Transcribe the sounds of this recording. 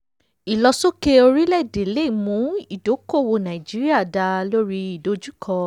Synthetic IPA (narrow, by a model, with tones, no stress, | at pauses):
i˨lɔ˧so˦ke˧o˧ɾi˦lɛ˦˨de˨le˦˨mũ˨˦i˦˨do˨˦ko˦˨wo˧nã˨i˨d͡ʒi˨˦ɾi˦a˦˨da˧lo˦ɾi˧i˨do˨˦d͡ʒu˦kʰɔ˧